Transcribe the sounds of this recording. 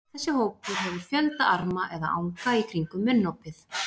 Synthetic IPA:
θɛsːɪhoːwpʏɾ̥ɦɛvʏɾ̥fjœlt̪aaɾmaʔɛða̰ʔa̰wŋkaikʰɾiŋkʏmːʏnːowpɪθ

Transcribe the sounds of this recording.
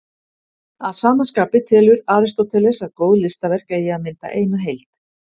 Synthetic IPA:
aðsaːmanskaːpɪt̪ʰɛːlʏɾaːɾɪst̪ot̪ʰɛlɛsaðkoːwðlɪst̪avɛr̥kɛjɪaðmɪnt̪a̰ʔeːjnaɦejlt̪

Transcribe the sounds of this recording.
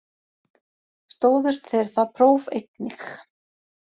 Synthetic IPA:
st̪oːwðʏst̪θejɾ̥θapʰɾoːwvejk̚nix

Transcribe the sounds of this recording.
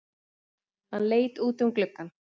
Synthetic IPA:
hanleːjt̪uːt̪ʏmklʏkːan

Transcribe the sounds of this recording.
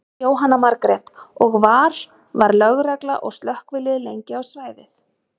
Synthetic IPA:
oːwɦanːamaɾkɾɛt̪ɔɣvaːɾ̥ | vaɾlœɣɾɛkla̰ʔɔɣst̪lœhkvɪlɪðɪlejɲcɪawsvaːjvɪθ

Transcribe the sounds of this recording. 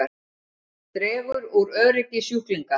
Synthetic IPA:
a | t̪ɾɛːvʏɾuɾœðɾɪcɪsjuhkliŋka

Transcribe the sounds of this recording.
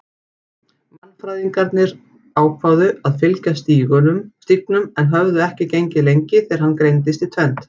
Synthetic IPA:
manːfɾajðiŋkaɾt̪nɪɾ | aːwkʰvawðʏaðfɪlcast̪iːɣʏnʏmst̪ik̚nʏmɛnɦœvðʏɛhcɪcejɲcɪlejɲcɪθɛɾ̥hanːkɾejnt̪̬ɪst̪it̪ʰvɛnt̪

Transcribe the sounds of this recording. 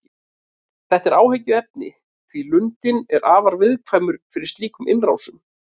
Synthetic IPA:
θɛht̪ɛɾaːwhɛcʏɛp̚nɪ̰ | θvilʏnt̪ɪnɛɾʔaːvaɾvɪðkʰvajmʏɾ̥fɪɾɪɾ̥st̪liːkʏmɪnraːwsʏm

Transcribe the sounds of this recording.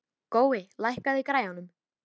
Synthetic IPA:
koːwɪlajhkaðɪikɾaːjanʏm

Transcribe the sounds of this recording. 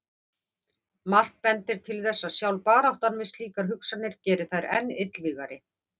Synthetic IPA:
mar̥t̪̚pɛnt̪ɪɾ̥t̪ʰɪlθɛsːasjawlpaːɾawht̪anvɪst̪liːkaɾ̥ɦʏksanːɪɾ̥cɛːɾɪθajɾɛ̰nːɪt̪lviːɣaɾɪ

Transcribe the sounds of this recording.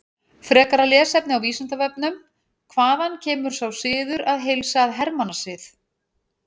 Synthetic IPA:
fɾɛːkaɾalɛːsɛpnɪawviːsant̪avɛp̚nʏm | kʰvaːðancʰɛːmʏɾ̥sawsɪːðʏɾaðɦejlsaːðɦɛɾmanasɪːθ

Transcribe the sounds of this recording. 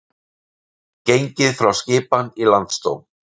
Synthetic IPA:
cejɲcɪðfɾawscɪːpanilant̪st̪o̰wn

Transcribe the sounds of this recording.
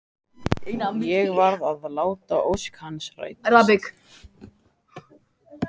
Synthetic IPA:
enajɛɣvaɾðaðlaːwt̪aʔowskhansra̰jt̪̚ɾabɪk

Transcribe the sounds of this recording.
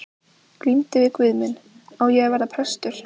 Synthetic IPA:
klimt̪ɪvɪkvɪðmɪn | awjɛɣvaɾðapʰɾɛst̪ʏɾ̥

